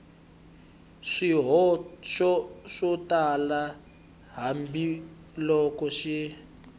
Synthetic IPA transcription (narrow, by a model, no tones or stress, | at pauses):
ʂiɦɔʃɔʂɔtala | ɦambi | lɔkɔʃi